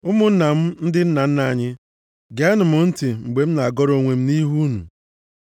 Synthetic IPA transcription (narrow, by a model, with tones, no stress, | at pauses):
ʊ˦mʊ˦n̩˦na˨m̩˦n̩˦dɪ˦n̩˦na˨n̩˦na˨ɲɪ˦ | ɡe˨a˦nʊ˨mʊ˨n̩˦ti˨ŋ͡m̩˨ɡ͡be˨m̩˦na˨a˨ɡɔ˦ɾo˨ŋʷe˨m̩˦ni˦ɦu˦nṵ˨